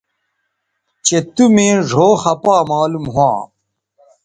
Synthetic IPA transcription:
t͡ɕet̪umẽːʐʱoːxɐpaːmaːlumɦwã̰ː

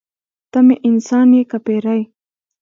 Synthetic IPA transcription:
t̪ameʔɪnsɑnjekapeɾaj

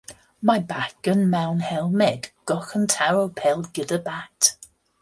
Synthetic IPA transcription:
maɪbakə̃nmãʊ̃nhɛlˠmɛdɡ̥ɔxə̃ntʰaɹoʊpʰɛlˠɡɪðəbak̚t

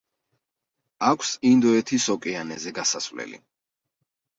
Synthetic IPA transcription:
akʷʰsind̪ɔɛt̪ʰisɔkʼɛanɛzɛɡasasvlɛ̰lḭ

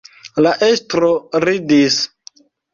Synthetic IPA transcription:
laʔestɾoɾidis

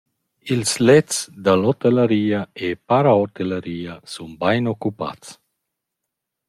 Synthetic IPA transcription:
ilslɛt͡sd̪alɔt̪elaɾiːaepaɾaɔt̪elaɾiːasunbajnɔkːupa̰t͡s

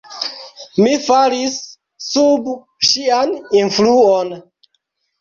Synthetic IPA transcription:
mifaɾisː | ub | ʃianinfluon

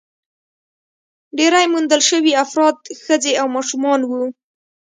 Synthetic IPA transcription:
ɖeɾajmund̪əlʃəwiafɾɑd̪xəzd͡zeawmɑʃumɑnwu

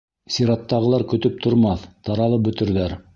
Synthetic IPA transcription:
sʲiɾɑt̪ːɑʁɤ̆lˠɑɾkɵ̆t̪ɵp̚t̪ʰŏɾmɑθt̪ɑɾɑlˠɤp̚bɵ̆t̪ɵ̆ɾðæɾ

